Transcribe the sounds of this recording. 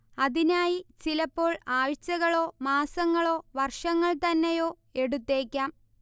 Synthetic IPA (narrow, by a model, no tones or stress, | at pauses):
ɐðinaːjit͡ɕilɐpːo̞ːɭaːʋɐt͡ɕːɐɣɐɭo̞ːmaːsɐŋːɐɭo̞ːʋɐrʂɐŋːɐɭt̪ɐnːejo̞ː | e̞ɽut̪ːe̞ːkʲːaːm